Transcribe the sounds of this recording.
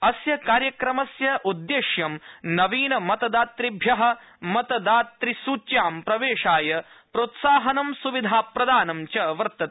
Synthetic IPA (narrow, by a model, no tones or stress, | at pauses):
ɐsjɐkaːɾjɐkɾɐmɐsjɐʔud̪ːeːʃjɐmnɐʋiːnɐmɐt̪ɐd̪aːt̪ɾibʱjɐɦɐ̆ | mɐt̪ɐd̪aːt̪ɾisuːt͡ʃjaːmpɾɐʋeːʂaːjɐ | pɾoːt̪saːɦɐnɐmsuʋid̪ʱaːpɾɐd̪aːnɐmt͡ʃɐʋɐɾt̪ɐt̪